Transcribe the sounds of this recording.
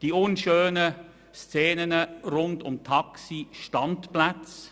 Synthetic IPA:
d̥iːʊnʃøːnə | st͡seːnənəɾʊndtʊmtʰɑksiʃtɑntplat͡s

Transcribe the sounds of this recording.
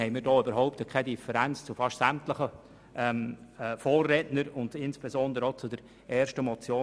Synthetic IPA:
hɛɪmiːɾdɔːybəɾɦɔʊptəkʰɛdifəɾænt͡st͡sʊfɑʃtsæmtləχə | ʔɛmfɔːrːɛtnəɾʊndɪnsb̥esɔnd̪əɾəɔt͡sʊdəɾ | ʔɛːɾʃtəmɔt͡sjoː

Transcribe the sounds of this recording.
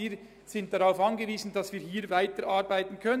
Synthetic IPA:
iːɾ | z̥ɪnt̚d̥aʁaʊfɑnɡəviːzn̩dɑsviːɦiːɾvaɪtəɾʔaʁbaɪtn̩kʰœn

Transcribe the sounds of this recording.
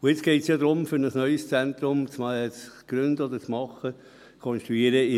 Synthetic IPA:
ʊɪt͡sɡ̥ɛɪtsjɑd̪ɾʊmfʏɾnəsnœʏst͡sɛnt̪ɾʊmt͡smt͡sɡ̥ɾʏnd̪əɔd̪ət͡smɑχːə | kʰɔnʃt̪ɾuiəɾəɪ

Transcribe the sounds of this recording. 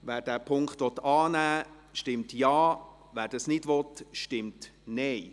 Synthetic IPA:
væːɾdæːpʰʊŋkχt̪ʋɔt̪ɑːnæː | ʃtɪmtjɑː | ʋæːɾd̥ɑsnɪdʋɔt̪ʃtɪmtnɛɪ

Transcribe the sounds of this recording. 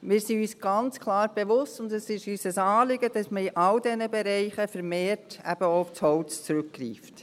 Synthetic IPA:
mɪːɾsiyːsɡ̥ɑnt͡skʰlˠɑːɾb̥eʋʊstʊndəsɪʃyːsəsɑːlɪɡədɑsməiʔɑldɛnəbɛɾɛɪχəfɛɾmeːrtæ̰b̥əoʊft͡shɔlt͡st͡sɾʉkɡɾḭːft

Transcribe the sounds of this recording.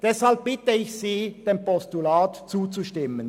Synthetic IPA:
d̥ɛshalb̚bɪtəɪçsiːd̥eːmpɔstulaːtt͡suːt͡suʃtɪmən

